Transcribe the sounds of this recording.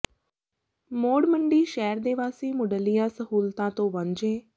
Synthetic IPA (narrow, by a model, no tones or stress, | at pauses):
moːɽməɳɖiːʃɛːɾd̪eːʋaːsiːmʊɖəlijãːsəɦuːlt̪ãːt̪õːʋəɲd͡ʒẽː